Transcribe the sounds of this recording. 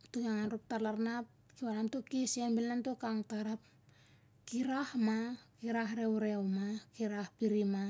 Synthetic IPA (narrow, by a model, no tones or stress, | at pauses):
tukaŋanɾok̚talaɾnap̚ | kiwanamtokisiambilnamtokaŋtaɾap̚ | kiɾahmakiɾahɾewɾewmakiɾahpiɾima